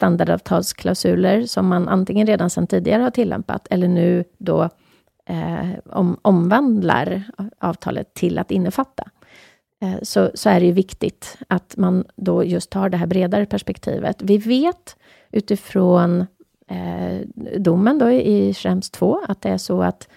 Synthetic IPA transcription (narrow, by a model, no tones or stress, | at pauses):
st̪and̪aɖɑ̰vt̪ʰɑ̰ːlskʰlaʊsʉ̟ːləɾsɔmːanʔa̰nt̪ɪŋːənɾeːd̪ansɛnt̪ʰiːd̪ɪɡaɾəhaʈʰɪlːɛ̰mpa̰t̪ʰɛlːəɳʉ̟ːd̪ɔ̰ | ɔ̰mɔmvand̪la̰ɾɑːvt̪ʰɑ̰ːlə̰t̪ʰːɪlʔa̰t̪ɪnːəfat̪ːa | sɔsɔæɖɛjɵvɪkt̪ɪt̪at̪mand̪ɔjɵst̪hɑːɖɛɦæːɾbɾeːd̪aɾəpʰæʂpɛkt̪ʰḭːvə̰t̪vɪveːt̪ | ʔʉ̟ːt̪ɪfɾoːn | d̪ʊmːənd̪ɔʔɪfɾɛmst̪ʰːvoːat̪̚d̪ɛæʂɔa̰t̪